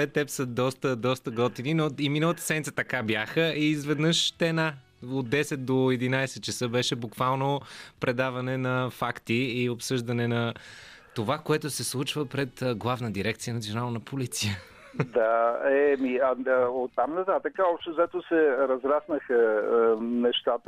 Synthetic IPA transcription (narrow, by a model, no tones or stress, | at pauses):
ɛt̪ːɛpsəd̪ɔst̪əd̪ɔst̪əɡɔt̪ininoiminəlˠət̪ə̥sɛd̪nʲit̪ə̥t̪ɐkabjaxəiːzvɛd̪nəʃt̪ɛna | od̪d̪ɛsɛt̪̚d̪oɛd̪inajsɛt̪t͡ʃəsɤbɛʃɛbukvalˠnopɾɛd̪avɐnɛnɐfakt̪iːopsɤʒd̪ɐnɛnɐ | t̪ovakoɛt̪ʊsɛslˠut͡ʃvəpɾɛt̪ːɡlˠavnəd̪iɾɛk̚t̪sijənɐt̪sionalˠnəpʰolit̪sijə | d̪aɛmiɐot̪ːamnɐt̪at̪əkəɔpʃt̪ɛzɛt̪osɛɾɐzɾasnəxə | nɛʃt̪at̪ə